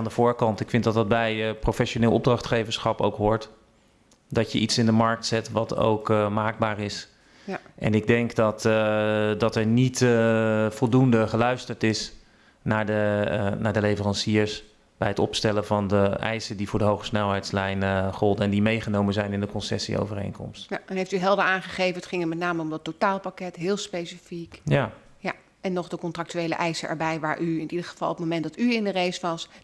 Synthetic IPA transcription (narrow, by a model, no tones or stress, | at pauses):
andəv̥ʊːɹkɑntɪkfɪntdɑtdɑd̚bɛjprofɛʃonɪːlˠɔb̚drɑχtχejvəɹsχɑpo̰wkɦʊːɹt | dɑjəʔitsɪndəmɑɹk̚tsɛtʋɑto̰wkəmaːɡ̚baːrɪs | ʔɛ̰nɪɡ̚dɛŋkdɑt | dɑtɛɹnit | v̥ɔlˠdundəχəlœɥstəɹtɪs | naːɹdənaːɹdəlejvərɑnsiəɹs | b̥ɛjɦətɔ̰pstɛləvɑndəʔɛ̰jsədivʊːɹdəɦowχə̥snɛlˠɦɛjtslɛjnχɔlˠdəɛndimejχənowmənzɛjnɪndəkɔnsɛ̰sḭo̰wvərḛjŋkɔ̰mstjanɦejftyɦɛlˠdəaːnχəχejvənətχɪŋətmɛtnaːməɔmdɑtːotaːlˠpakɛtɦɪːlˠspejsifikja | ja | ɛnːɔχdəkɔntrɑk̚tyejlə̰ʔɛjsəʔɛ̰ɹbɛjʋa̰ːɹʔyɪntidəχə̥v̥ɑ̰lˠɔp̚tmomɛnt̚dɑtyɪndərejsʋɑs